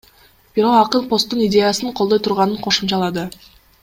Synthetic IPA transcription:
b̥iɾo̞qɑqənpost̪ːunidʲe̞jɑsɯɴqʰolˠd̪o̞jt̪ʰuɾʁɑnɯɴqʰo̞ʃumt͡ʃɑlˠɑd̪ɯ

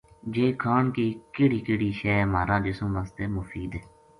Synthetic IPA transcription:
d͡ʒeːkʰaːɳkiːkeːɽiːkeːɽiːʃɛːmaːɾãːd͡ʒɪsõːʋaːst̪eːmʊfʰiːd̪ɛ

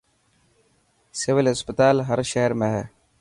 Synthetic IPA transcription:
sɪʋɪlɦɪspət̪aːlɦɐɾʃɛɦəɾmẽɦɛː

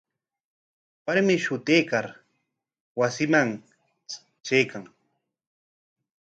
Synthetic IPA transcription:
paɾmɪʃʊt̪eːkaɾ | wasɪmaŋ | t͡ʃejkaŋ

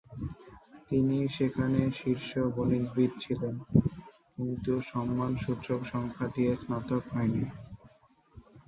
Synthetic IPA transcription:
t̪iniʃekʰaneʃiɾʃoboniɾbʱid̪̚t͡ɕʰilen | kint̪uʃɔmːanʃuɾt͡ɕokʃɔŋkʰaʈiesnat̪okɦɔeni

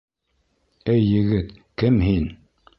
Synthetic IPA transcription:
ɘjːɘ̆ɡɘt̪kɘmɦin

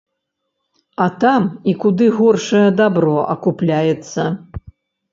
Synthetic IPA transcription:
ɐt̪amikud̪ɨɣɔrʂɐjɐd̪abɾɔʔɐkuplʲajɛt̪sːɐ

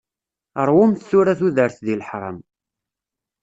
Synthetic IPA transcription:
əɾˤwʊmθθʊɾæθuðəɾθðilħɾˤə̰m

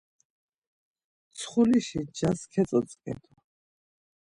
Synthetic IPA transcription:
t̪sʰχuliʃid͡ʒaskʰɛt͡s̪ʼɔt͡sʼkʼɛ̰t̪ʰu

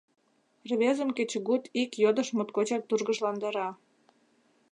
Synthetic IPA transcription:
rβezə̆mket͡ɕɣut̪ʰikjod̪əʃmot̪kot͡ɕɑk̚t̪urɣəʃlɑnd̪əɾɑ

